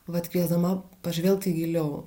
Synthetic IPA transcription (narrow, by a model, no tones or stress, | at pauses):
ʋɐt̪ʲkʋʲiɛzd̪ɐmɐpɐʒʲʋʲɛlʲk̚t̪ʲiɡʲɪlʲɛʊ